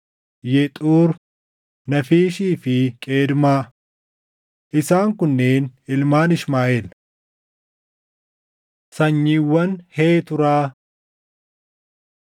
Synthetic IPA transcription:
jɛt̪ʼuːɾ | nɐfiːʃiːfɪkʼeːd̪maː | ʔɪsaːŋkʊnːeːnɪlmaːnɪʃmaːʔeːl | sɐɲːiːwːɐnheːt̪ʊɾaː

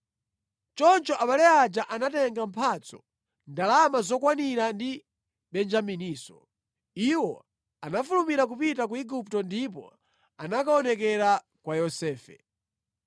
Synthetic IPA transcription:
t͡ʃɔnt͡ʃɔʔaɓalɛad͡ʒaʔanatɛŋɡampʰat͡sɔ̥ | ndalamazɔkwaniɾandi | ɓɛnd͡ʒaminiːsɔ̰ | iwɔ | anafulumiɾak̬upitak̬uiɡup̚tɔndip̬ɔ̰ | anakaɔnɛkɛɾa | kwajɔsɛːfɛ̰

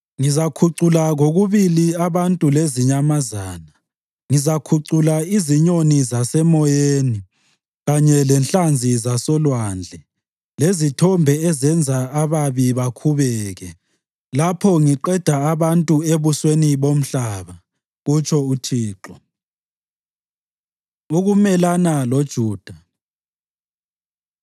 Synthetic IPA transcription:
ŋizakʰuǀulaɣoɣuβiliaβantʼuleziɲamaza̰ːna | ŋizakʰuǀulaiziɲonizasɛmɔjeːni | ɣaɲɛlɛnɬand͡zʱizasɔlwaːnd͡ɮʱɛ | lezitʰɔmbʱɛɛzɛnd͡zʱaaβaβiβakʰuβɛːɣɛ | lapʰɔŋiǃɛd̥ʱaːβantʼueβusweniβom̩ɬaːβa | ɣut͡ʃʰɔutʰiːǃɔ | uɣumɛlanalod̥ʒ̥ʱuːd̥ʱa

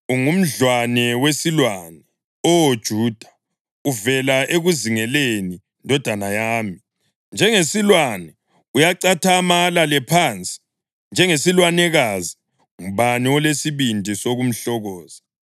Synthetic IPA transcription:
uŋum̩ɮwanɛwesilwanɛ | ɔod̥ʒ̥ʱuːd̥ʱḁ | uvɛlaʔeɣuziŋɛleni | ndʱɔd̥ʱanajaːmi | nd͡ʒʱɛŋesilwanɛ | ujaǀatʰamalalɛpʰant͡sʼi̥ | nd͡ʒʱɛŋesilwanɛɣazi | ŋuβaniɔlesiβindʱisoɣum̩ɬɔɣɔːz̥a

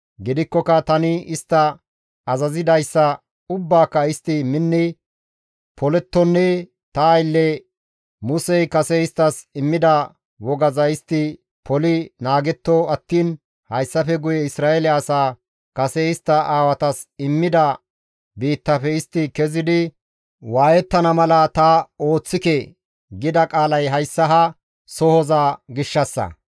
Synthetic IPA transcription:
ɡɪd̪ɪkːɔkːɐt̪ɐnɪɪst̪ːɐ | ɐzɐzɪd̪ɐjsːɐ | ʊbːaːkːɐɪst̪ːɪmɪnːɪ | pɔlɛt̪ːɔnːɛ | t̪ɐːjlːɛ | mʊsɛjkɐsɛɪst̪ːɐsɪmːɪd̪ɐ | wɔɡɐzɐɪst̪ːɪ | pʰɔlɪnaːɡɛt̪ːoɐt̪ːiːn | hɐjsːɐfɛɡʊjɛɪsɾaːɛlɪɐsaː | kɐsɛɪst̪ːɐaːwɐt̪ɐsɪmːɪd̪ɐ | biːt̪ːɐfɛɪst̪ːɪkɛzɪd̪ɪ | waːjɛt̪ːɐnɐmɐlɐt̪ɐo̞ːt͡sːɪke | ɡɪd̪ɐkʼaːlɐjɦɐjsːɐɦɐ | sɔhɔzaːɡɪʃːɐsːɐ̰

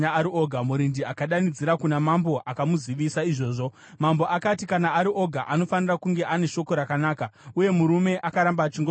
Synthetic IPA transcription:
aaɾio̞ɡʱamuɾindiakaɗanid͡ziɾakunamambo̞ʔakamuziʋisaiʐo̞ːʐo̞ | mambo̞ʔakatikanaːɾiʔo̞ɡʱaʔano̞fanirakuŋɡe̞ʔane̞ʃo̞ko̞ɾakanaːkauje̞muɾume̞ʔakaɾambat͡ʃiŋɡo

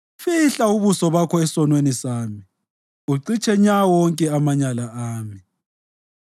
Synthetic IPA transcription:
fiɬauβusɔβakʰɔɛsɔnwenisaːmi | uǀit͡ʃʰʼɛɲawɔŋkʼɛamaɲalaaːmi

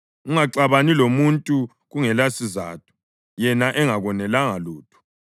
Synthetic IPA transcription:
uŋaǀaβanilomuntʼu | ɣuŋɛlasiza̰ːtʰʼu̥ | jɛnaʔɛŋaɣɔnɛlaŋaluːtʰu̥

